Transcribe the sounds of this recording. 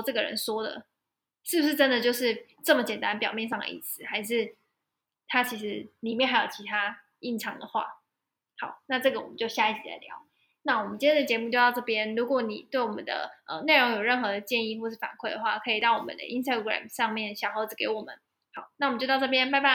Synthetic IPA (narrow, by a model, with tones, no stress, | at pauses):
ʈ͡ʂɤ˥˩ɡə˩ɻə̰˧˦nswɔ˥d̪ə̰˩ | ʂɻ̩˥˩pu˩ʂɻ̩˥˩ʈ͡ʂə˦nd̪ə˨t͡ɕjo˥˧ʊʂɻ̩˥˩ | ʈ͡ʂɤ˥˩mə˩t͡ɕjɛ˨˩nt̪a˦npjɑ˨ʊmjɛ˥˧nʂ̬ɑ˥˩ŋdə̰˨˩ḭ˥˩sɹ̩˨˩xa˧˥ɪʂ̬ɻ̩˥˩ | t̪ʰa˥t͡ɕʰi˧˥ʂɻ̩˧˥li˨˩mjɛ˥˩nxa˥ɪjo˨˩ʊt͡ɕʰi˧˥t̪ʰa˥ | i˥˩nʈ͡ʂʰɑ˧˥ŋd̪ə̰˨xwa̰˥˩ | hɑ˨˩˦ʊna˥˧ʈ͡ʂɤ˥˩ɡə˩wɔ̰˨˩mə̰˦t͡ɕjo˥˧ʊɕja˥˧i˥˩t͡ɕʰi˨la̰˧˥ɪljɑ̰˧˥ʊ | na˥˩wɔ˨˩mə˨˦nt͡ɕi˥nʰjd̪ə˩t͡ɕjɛ˧˥mu˥˧t͡ɕjo˥˧ʊt̪ɑ˥˧ʊʈ͡ʂɤ˥˩pjɛ˥nlu˧˥kwɔ˧˦ni˨˩t̪we˥˩ɪwɔ˨˩mə̰˦nd̪ə̰˧ʔə̰˨ne˥˩ɪɻo˧˥ŋjo˨˩ʊɻə˥˩nxɤ˧˥d̪ə˨t͡ɕjɛ˥˧ni˥˧˨xwɔ˥˧ʂɻ̩˥˩fa˨˩nkʰwe˥˩ɪd̪ə˨˩xwa̰˥˩kʰɤ˧˥i˨˩t̪ɑ˥˩ʊwɔ˨mə̰˦nd̪ə̰˦ʔi˦˥nst̪a˧˩ɡɹa̰˨˩mʂɑ˥˧ŋmjɛ˥˩nɕjɑ˨˩xo˧˥ʊt͡sɹ̩˨˩ke˧˥ɪwɔ˨˩mə̰˦n | xɑ˨˩˦ʊna˥˩wmə˦t͡ɕo˥˧t̪ɑ˥˧ʈ͡ʂp̬jɛ˥npɪpa˥˩